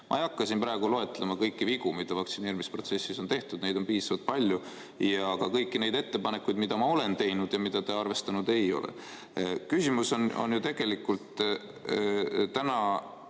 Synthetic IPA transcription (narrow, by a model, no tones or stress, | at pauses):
mʔɑ̰ejɑkːɑsinpɾɑeɡulo̞e̞t̪ːˑlemɑkɤjkːiviɡ̥umid̪̥ɑvɑk̚t̪sineːɾimispro̞t̪se̞sːisont̪e̞ht̪ud̪ne̞jd̪̥o̞npiːsɑvɑd̪̥̚pɑlʲju | jɑɡ̥ɑkɤjkːine̞jd̪̥e̞t̪ːe̞pɑnekːˑujd̪̚mid̪̥ɑmɑo̞le̞nt̪e̞jnud̪̥jɑmid̪̥ɑt̪eɑrve̞st̪ɑnud̪̥e̞jo̞̰lḛ | kysimusono̞̰njut̪e̞ɡ̥e̞likːult̪ | t̪ænɑ